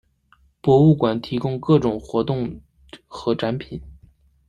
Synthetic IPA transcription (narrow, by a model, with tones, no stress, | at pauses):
pwɔ˧˥u˥˩kwa˨˩nt̪ʰi˧˥kʊ˥ŋkɤ˥˩ʈ͡ʂʊ˨˩ŋxwɔ˧˥t̪ʊ˥˩ŋ | xɤ˧˥ʈ͡ʂa˧˥npʰi˨˩˦n